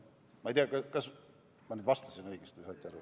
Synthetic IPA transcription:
mɑejt̪jɑkɑkɑs | mɑnyːd̪vɑst̪ɑ̥sinɤ̞jɡ̥est̪ijsɑːt̪ʲːˑæɾu

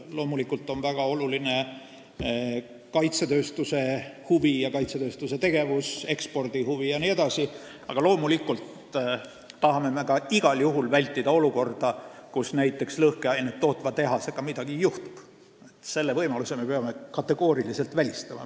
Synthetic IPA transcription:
lo̞ːmulikːˑult̪ːˑo̞nvæɡ̥ɑo̞luline̞ | kɑjt̪set̪ø̞ːst̪use̞huvijɑkɑjt̪set̪ø̞ːst̪use̞t̪e̞ɡ̥e̞vuse̞kspo̞rd̪̥ihuvijɑnie̞d̪̥ɑsi | ɑ̰ɡ̥ɑlo̞ːmulikːˑult̪ː | ɑɦɑme̞me̞kɑiɡ̥ɑljuɦulvælʲt̪ːˑid̪̥ɑo̞luko̞rd̪̥ɑkusnæjt̪ːˑe̞kslɤhkeɑjnet̪t̪ːo̞ːt̪vɑt̪e̞ɦɑse̞kɑmid̪̥ɑɡ̥iejuht̪u̥b̥ | et̪se̞lːevɤjmɑluseme̞peɑme̞kɑt̪ːˑe̞ɡ̥o̞ːɾilise̞lt̪vælʲist̪ɑmɑ̰

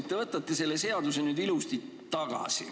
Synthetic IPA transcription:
t̪ːevɤt̪ːˑɑt̪ˑːese̞lːe̞se̞ɑd̪use̞nyːd̪ilust̪it̪ | t̪ːɑɡ̥ɑ̰sḭ

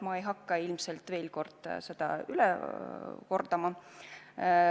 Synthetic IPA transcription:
mɑejɦɑkːɑilmse̞lt̪ˑve̞ːlko̞rd̪̥se̞d̪̥ɑ̰ylɛ̰ | ko̞rd̪ɑmɑ

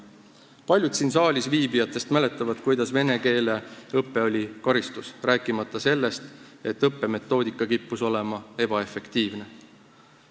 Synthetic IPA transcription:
pɑlʲjud̪̥siːns̬ɑːlʲisviːbijɑt̪ːˑe̞st̪mæle̞t̪ːˑɑvɑd̪̥kujd̪̥ɑsve̞ne̞ke̞ːle̞ɤpːe̞o̞lʲikɑɾist̪usræːkˑːimɑt̪ːˑɑse̞lːe̞st̪e̞t̪ːˑɤpːe̞me̞t̪ˑːo̞ːd̪ikːˑɑkipːuso̞le̞mɑe̞b̥ɑe̞fe̞kt̪iːvne̞

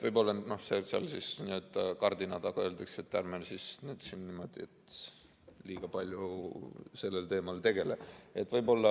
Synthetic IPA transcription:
t̪vɤjbo̞lːɑnno̞hseseɑ̰lsisniøːt̪ːˑɑkɑrd̪inɑt̪ɑɡ̥ɑø̞ːld̪ekset̪ːærmelsisnyːd̪sinːimo̞d̪̥iet̪ | liːɡ̥ɑpɑlʲju | se̞lːelt̪e̞ːmɑlt̪e̞ɡ̥e̞lee̞t̪ːˑvɤjbo̞lːɑ

